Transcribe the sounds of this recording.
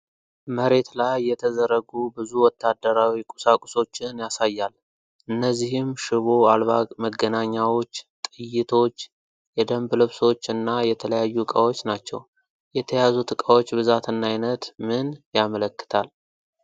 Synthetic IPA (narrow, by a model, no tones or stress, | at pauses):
məɾe̞t̪lajːɛt̪ʰəzəɾəɡubɨzuwɔt̪ːad̪ːəɾawikʼu̥sakʼuso̞t͡ʃːɪnjasajːal | ʔɨnːəzːihɪmʃɨβoalβaɡməɡːənaɲːawo̞t͡ʃːt̪ʼɨjːɪt̪ʰo̞t͡ʃː | jɛd̪əmblɨβso̞t͡ʃːɨnːajɛt̪ʰələjajːukʼawo̞t͡ʃːnat͡ʃːɛ̰w | jɛt̪ʰəjazut̪ʰɨkʼawo̞t͡ʃːbɨzat̪ɨnːajnət̪mɨnjamələkːɨ̥t̪ʰal